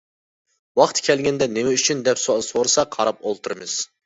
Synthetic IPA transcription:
wɑχt̪ʰkʲʰɛlɡʲɛnd̪ɛnemɛyt͡ʃʰynd̪ɛpsosoɾɨsɑqʰɑɾɑp̚olˠt̪ʰɨɾɨmɨz̥

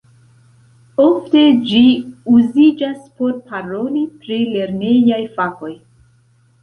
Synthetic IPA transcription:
o̞fte̞d͡ʒiuzid͡ʒaspo̞ɾpaɾo̞lipɾile̞ɾne̞jajfako̞j

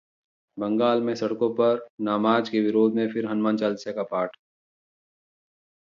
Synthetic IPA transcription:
bɐ̃ŋɡaːlmẽsɐɽkõpɐɾnaːmaːd͡ʒkeʋɪɾoːd̪ʱmẽfʰɪɾɦɐnmãːnt͡ʃaːlsjakapaːʈ

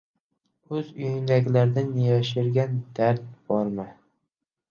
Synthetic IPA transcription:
ɵzʊjɪnd̪aɡʲlaɾd̪anːɪjɒʃɪɾɡʲand̪̥aɾt̪̚b̥ɒɾma

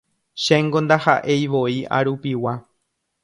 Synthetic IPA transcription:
ʃãŋɡõnd̪ahaʔe̞jʋo̞ia̰ɾupiwa

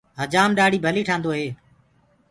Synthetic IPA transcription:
ɦəd͡ʒaːmɗaːɽ̤iːbʱəliːʈʰãːnd̪oːɦeː

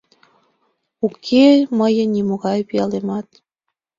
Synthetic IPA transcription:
ukʰeməjə̆nimoɣɑjpijɑlemɑt̪

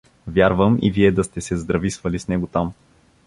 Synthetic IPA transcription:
vʲjaɾvəmḭviɛd̪ɐst̪ɛsɛzd̪ɾɐvisvɐlisnɛɡot̪am

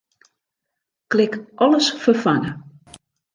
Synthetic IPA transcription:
klɪkʔɔləsfəfanə

